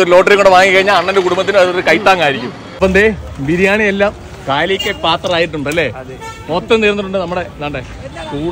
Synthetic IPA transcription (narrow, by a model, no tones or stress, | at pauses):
oɾulo̞ːʈ̬ːɐɾiŋoɳɖeʋaːŋikːɐɻiɲːaːlɐɳːendekuɽumbɐt̪ːinɐðoɾukɐjt̪ːaːŋːaːjiɾikʲːum | ɐpːond̪ebiɾjaːɳielːaːm | kaːjlikʲːepaːt̪rɐraːjiʈːuɳɖɨɐlːe̞ː | mot̪ːɐmt̪iːɾnːiʈːuɳɖɨnɐmːuɽe̞naːɳɖe | kuːɽ